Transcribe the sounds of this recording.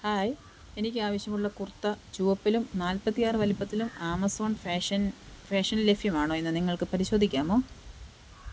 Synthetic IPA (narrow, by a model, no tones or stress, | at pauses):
haːj | enikʲːɨaːʋɐɕjɐmuɭːɐkurt̪ːɐt͡ɕuːʋɐpːilumnaːlpɐt̪ːijaːrɨʋɐlipːɐt̪ːilumaːmɐsoːɳfeʂɐnfeːʂɐnlefijɐmaːɳoːenːɨniŋːɐɭkɨpɐɾiɕo̞ːd̪ʱikʲːaːmo̞ː